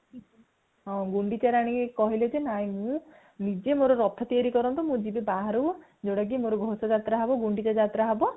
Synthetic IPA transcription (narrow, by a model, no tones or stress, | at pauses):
ɦɔ̃ɡuɳɖit͡ʃaɾaɽ̃ĩkɔɦiled͡ʒenaj̃mũ | nid͡ʒemoɾɔɾɔt̪ʰɔt̪iaɾikɔɾɔnt̪umũd͡ʒibebaɦaɾu | d͡ʒewɽak̬imoɾɔɡʱosɔd͡ʒat̪ɾaɦebɔɡuɳɖit͡ʃad͡ʒat̪ɾaɦabɔ